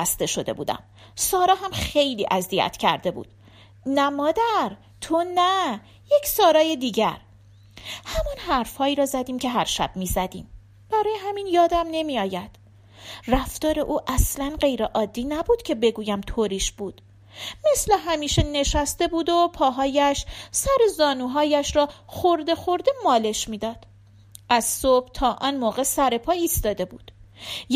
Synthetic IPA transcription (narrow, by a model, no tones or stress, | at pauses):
st̪e̞ʃo̞d̪e̞̰bṵːd̪æ̰m | sɒːɾɒːɦæmχe̞jliːʔæzijæ̰t̪ʰcʰæ̰ɾd̪e̞bṵːd̪̥ | næmɒːd̪æɾ | t̪ʰonæ | jecsɒːɾɒːje̞d̪iːɟæɾ | hæmɒnhæɾfhɒːiːɾɒːzæd̪iːmcʰe̞ɦæɾʃæ̰b̥miːzæd̪ḭːm | b̥æɾɒːjeɦæmiːnjɒːd̪æmne̞miɒːjæd̪̥ | ræft̪ɒːɾe̞ʔuːʔæslænɢe̞jɾeʔɒːd̪ːiːnæbuːd̪̥cʰe̞be̞ɡuːjæmt̪ʰoːɾiːʃb̥uːd̪̥ | me̞sleɦæmiːʃe̞ne̞ʃæst̪e̞buːd̪opʰɒːɦɒːjæʃsæɾe̞zɒːnuːɦɒːjæʃɾɒːxoɾd̪e̞xo̞ɾd̪e̞mɒːle̞ʃmiːd̪ɒːd̪̥ | ʔæz̥sob̥t̪ʰɒːʔɒnmoːɣe̞sæɾe̞pʰɒːiːst̪ɒːd̪e̞buːd̪̥